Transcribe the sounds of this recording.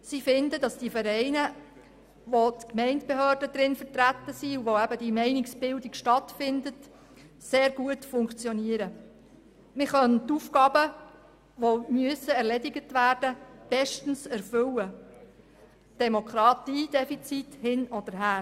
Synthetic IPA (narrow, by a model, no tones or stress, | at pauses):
sifɪndədɑsd̥ifəɾɛɪnə | ʋot̪kmɛɪntb̥eɦœːrdəd̥ɾɪnfəɾtɾætːəsiuʋoæbədimɛɪnɪksb̥ɪldikʃtɑtfɪndət | seːɾɡ̥uətfʊŋkt͡sjɔniəɾə | mɪχœntufkɑːbə | ʋomyəsəɛɾlɛdɪɡətʋæːɾd̥əb̥ɛʃtn̩sɛɾfʏlə | d̥ɛmokʰɾɑtiːd̥ɛfit͡sithɪnɔd̥əɾɦæː